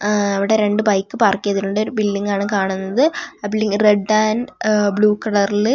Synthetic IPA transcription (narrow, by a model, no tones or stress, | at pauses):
ɐʋiɽe̞ɾe̞ɳɖɨbɐjkːɨpaːrkːijɐðiɾuɳɖo̞ɾubilːiŋɡaːɳɨkaːɳunːɐðɨɐbilːiŋɡreɖːaːnbɭuːkɐɽɐrlɨ